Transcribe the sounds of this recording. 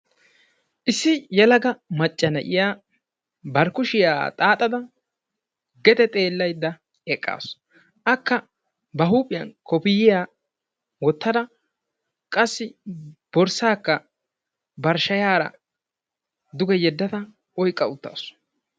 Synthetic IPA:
ʔɪsːɪjɛlɐɡɐmɐt͡ʃʼːɐnɐ̰ʔɪ̰jaː | bɐɾkʊʃɪja̰ːt̪ʼaːt̪ʼɐd̪ɐ | ɡɛt̪ɛt̪ʼe̞ːlːɐjd̪ːɐ | ɛkʼːa̰ːs | ʔɐkːɐ | bɐɦuːpʼɪjɐnkɔpɪjɪjaː | wɔt̪ːɐd̪ɐ | kʼɐsːɪb̥ɔɾsaːkːɐ | bɐɾʃɐjaːɾɐ̰ | d̪ʊɡɛjɛd̪ːɐt̪ɐ | ʔɔjkʼːɐʊt̪ːa̰ːsɔ̥

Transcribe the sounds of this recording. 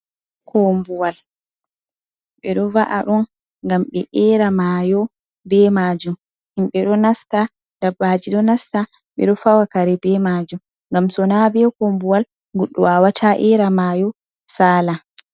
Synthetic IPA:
kʰɔmbuwal | ɓɛɗɔvaʔaɗɔn | ŋɡamɓɛʔɛɾamaːjɔ | bɛmaːd͡ʒum | imɓɛɗɔnasta | d̥abad͡ʒiɗɔnasta | ɓɛ̰ɗɔfawakaɾɛbɛmaːd͡ʒum | ŋɡamsɔnabɛkombuwal | ɡuɗːɔ̰wawatʰaʔɛɾamaːjɔ | saːla

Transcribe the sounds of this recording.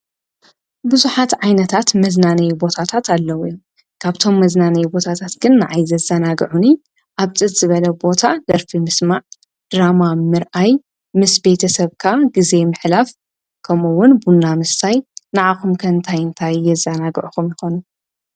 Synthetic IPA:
bɨzuħat̪ʕajnɐt̪ʰat̪mɐznanɐjbo̞t̪ʰat̪ʰat̪alːɐwj | kʰaβt̪ʰo̞mːɐznanɐjbo̞t̪ʰat̪ʰat̪ɡɨnːaʕajzɐzɐnaɡʕuni | ʔaβt͡sʼɨt̪z̥ɨβɐlɐbo̞t̪ʰad̪ɐɾfimɨsmaʕ | d̪̥ɾamamɨɾʔaj | mɨsbe̞t̪ʰɐsɐβkʰaɡize̞mɨħlaf | kʰɐmuwʊnbunːamɨsajnaʕaxumkʰɐnt̪ʰajɨnt̪ʰajːɛzːɐnaɡʕuxumjɪxonu

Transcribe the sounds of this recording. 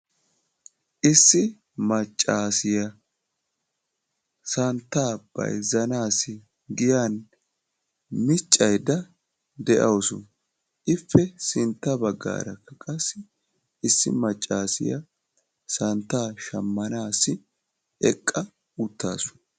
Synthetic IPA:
ʔɪsːɪ | mɐt͡ʃʼːaːsɪjɐ | sɐnt̪ːaːb̥ɐ̰jzɐnaːsɪ | ɡɪjaːn | mɪt͡ʃʼːɐjd̪ɐ | d̪ɛʔɐwsʊ | ʔɪfːɛsɪnt̪ːɐbɐɡːa̰ːɾɐkːɐkʼɐsːɪ | ɪsːɪ̰mɐt͡ʃʼːaːsɪ̰jɐ̰ | sɐnt̪ːaːʃɐmːɐnaːsɪ | ɛkʼːɐ | ʊt̪ːa̰ːsʊ̥

